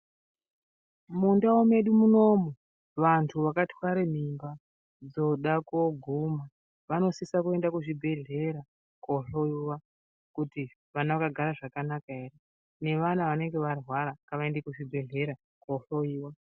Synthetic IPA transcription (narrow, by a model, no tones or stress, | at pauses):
mundaome̞ɗumuno̞mo | ʋantʰuʋakatʰwaɾem̤imba | d͡zo̞ɗakoɡʱuma | ʋano̞sisakue̞ndakuʐibʱe̞ɮe̞ɾa | koɬoiwa | kuti | ʋanaʋakaɡʱaɾaʐakanakae̞re | ne̞ʋanaʋane̞ŋɡe̞ʋarwaɾakaʋaendekuʐibʱe̞ɮe̞ɾa | koɬoiːwa